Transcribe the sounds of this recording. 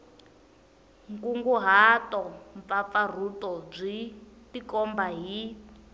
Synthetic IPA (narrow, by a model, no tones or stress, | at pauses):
ŋkuŋɡuɦatɔɱfap̪far̤utɔb͡ʐʷitikɔmbaɦi